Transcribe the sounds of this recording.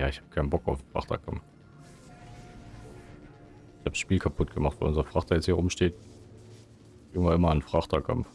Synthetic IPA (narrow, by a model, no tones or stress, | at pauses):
jaːɪçhaːbəkʰaɪnbɔkaʊfn̩fʁa̰χta̰kʰamf | ɪçhaːbʃpiːlkʰapʰʊt̚ɡ̥əmaχtv̥a̰lʔʊnzɐfʁ̥aχtajɛt͡shiːɐʁʊmʃteːt | ʔɪɡŋvaʔɪmɐanfʁ̥aχtʰakʰa̰mf